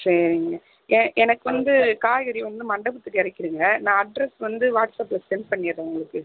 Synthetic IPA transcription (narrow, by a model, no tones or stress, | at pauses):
sɐɾɪŋɡɐ | ʔɛʔɛnɐkːɯʋɐnd̪ɯkaːjɐɾiʋɐnd̪ɯmɐɳɖɐbɐt̪ːɯkːɪɾɐɪkːɪɾɯŋɡɐnãːɐɖɾɛsʋɐnd̪ɯʋaːʈsaːplɐssɛnpɐɳːɪjɐðɐʊŋɡɐɭɯkːɯ